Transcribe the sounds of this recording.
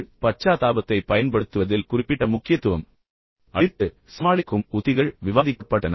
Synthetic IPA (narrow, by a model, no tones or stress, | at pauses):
pɐt͡ʃːaːt̪aːbɐt̪ːɐɪpːɐjɐnpɐɽɯt̪ːɯʋɐðɪlkʊrɪpːɪʈːɐmʊkːɪjɐt̪ːɯʋɐm | ʔɐɾt̪ːɯ | sɐmaːɭɪkːɯmʊðɪɣɐɭʋɪʋaːðɪkːɐpːɐʈːɐnɐ